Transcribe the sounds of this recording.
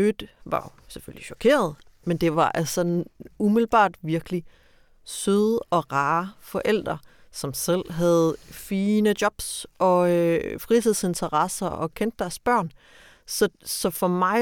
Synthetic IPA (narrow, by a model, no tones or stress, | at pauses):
ød̥ʋɑ̈jo̝seføliɕɒkʰe̝̰ːɐð̞̩ˠ | mend̥e̝ʋɑ̈ʔælsɒ̽numiðl̩b̥ɑ̰̈ːd̥ʋiɐɡ̥əli | søðˠɒ̽ʁɑ̈ːfɒ̽ʔel̰d̥ʁɐ | sɒ̽msel̰ɦæð̩ˠfiːnəd̥jɒ̽b̥sɒ̽fʁit͡sʰiðˠse̝nt͡sʰɐʁɑsɐɒ̽kʰen̰d̥ːæɐsb̥ɶɐ̰n | sɒ̽sɒ̽fɒ̽mɑ̈ɪ